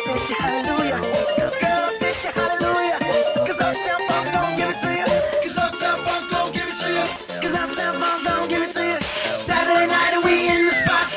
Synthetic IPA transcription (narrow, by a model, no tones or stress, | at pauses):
sɛt͡ʃɨhælˠəlujɨɡ̥oasɛt͡ʃɨhælˠəlujɨkʌzãɪ̃msɛlˠfãɪ̃mɡõɡɪvɨtʰɨjɨkʰʌzãɪsɛlˠfãɪ̃mɡõʊ̃ɡɪvɨtʰɨjɨ | kʌzãɪ̃msɛlˠfãɪ̃mɡõʊnɡɪvɨtʰɨjɨ | sæɾə˞deɪnaɪɾɨwiɪ̃nðɨspɑ